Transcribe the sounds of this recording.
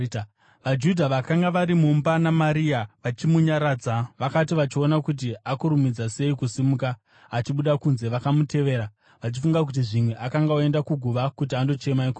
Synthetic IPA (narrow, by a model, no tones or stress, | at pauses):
ʋad͡ʒudʱaʋakaŋɡaʋaɾimumbanamaɾiaʋat͡ʃimuɲaɾaːd͡zaʋakat̬iʋat͡ʃio̞nakut̬iʔakuɾumid͡zase̞ikusimukaː | t͡ʃiɓuɗakunze̞ʋakamute̞ʋe̞ːɾa | ʋat͡ʃifuŋɡak̬ut̬iʐimwe̞ʔakaŋɡaue̞ndakuɡʱuʋakutiando̞t͡ʃe̞maiko